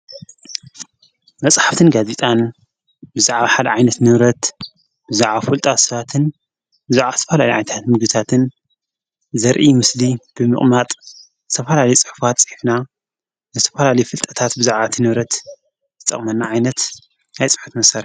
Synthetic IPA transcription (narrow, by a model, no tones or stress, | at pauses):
mɐt͡sʼħḁft̪ʰɨnɡazet̪ʼan | bɨzaʕβaħad̪ɐʕajnɐt̪nɨβɾɐt̪ | b̥ɨzaʕβafɨlt̪ʼat̪sɐβat̪ʰɨn | bɨzaʕβazɨt̪ʰɐfɐlaliʕa̰jnɐt̪ʰat̪mɨɡd̪ɨt̪ʰat̪ʰɨn | zɐɾʔimɨslib̥ɨmɨ̰χʼmat̪ʼ | zɨt̪ʰɐfɐlalɐjut͡sʼɨħfat̪t͡sʼɨħifna | nɨzɨt̪ʰɐfɐlalɐjufɨlt̪ʼɐt̪ʰat̪bɨzaʕβat̪ʰinɨβɾɐt̪ | zɨt̪ʼɐ̰χʼmɐnːaʕajnɐt̪ | ajt͡sʼɨ̥ħu̥t̪mɐsɐɾ